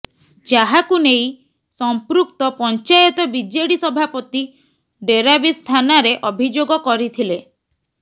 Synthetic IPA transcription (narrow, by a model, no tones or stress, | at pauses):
d͡ʒaɦakunej | sɔmpɾuk̚t̪ɔpɔnt͡ʃajɔt̪ɔbid͡ʒeɽisɔbʱapɔt̪i | ɖeɾabist̪ʰanaɾeʔɔbʱid͡ʒoɡɔkɔɾit̪ʰile